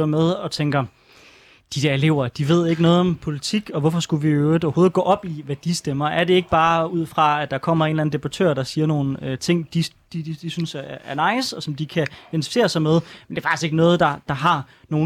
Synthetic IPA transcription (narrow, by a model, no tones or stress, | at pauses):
ɐmeð̞ˠɒ̽t͡sʰeŋɡ̥ɐ | d̥id̥eɐele̝ʊ̰ɐd̥iʋe̝ð̞̰ˠe̝ɡ̥ənɔ̽ːðˠɒ̽mpʰo̝lit͡sʰiɡ̥ɒ̽ʋɒfɒ̽sɡ̥uʋiøʊd̩ˠɒʊɐho̝ːð̩ˠɡ̥ɔ̰ːʔɒ̽b̥iʋæd̥isd̥emɐʔæɐɾe̝e̝ɡ̥əb̥ɑ̈ːuð̞̰ˠfʁɑ̈æd̥ɑ̈kʰɒ̽m̰ɐe̝ːnlæn̩d̥e̝b̥ɑ̈t͡sʰø̰ːɐd̥ɑ̈siːɐno̝ːn̩øt͡sʰe̝ŋ̰d̥i | d̥i̥d̥isynsæɐnɑ̈ɪ̰sɒ̽sɒ̽md̥ikʰæ̥ent͡sʰi̥fise̝̰ːɐsɑ̈ɪmeð̞ˠmend̥e̝ːfɑɡ̥isɡ̥eɡ̥ənɔ̽ːð̩ˠd̥ɑ̈d̥ɑ̈ɦɑ̈ | no̝ː